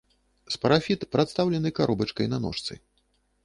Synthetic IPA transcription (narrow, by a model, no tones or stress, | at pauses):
spɐɾafʲit̪pɾat̪st̪awlʲɛnɨkaɾɔbɐt͡ʂkɐjnɐnɔ̰ʂt̪sɨ̰